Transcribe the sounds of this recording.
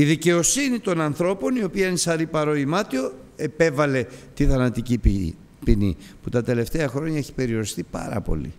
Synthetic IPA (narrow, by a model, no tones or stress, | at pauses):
iðice̞o̞sinit̪o̞nɐnθɾo̞po̞nio̞piɐinesɐɾipɐɾo̞imɐt̪io̞e̞pe̞vɐle̞t̪iθɐnɐt̪ici | pinḭ | put̪ɐt̪e̞le̞ft̪e̞ɐxɾo̞ɲɐe̞çi̥pe̞ɾio̞ɾist̪ipɐ̰ɾɐ̰po̞̰lḭ